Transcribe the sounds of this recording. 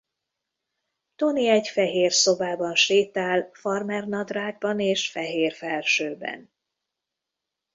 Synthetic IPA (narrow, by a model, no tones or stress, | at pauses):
t̪o̞niɛɟfɛɦeːrso̞baːbɒnʃeːt̪aːlfɒrmɛrnɒd̪raːɡ̚bɒneːʃfɛɦeːrfɛlʃøːbɛ̰n